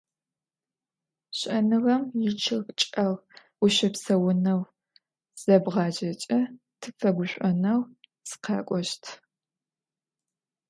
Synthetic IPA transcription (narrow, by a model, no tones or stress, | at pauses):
ɕʼɐnɨʁɐmjɪt͡ʃʰɨʁt͡ʃʼɐʁ | ʊɕɐpsɐwʊnɐw | z̥ɐbʁɑːd͡ʒɐt͡ʃʼɐ | tʰɨfɐɡʷʊɕʷʼɔnɐw | sɨ̥qʰɑ̰ːkʷʼɔʃtʰ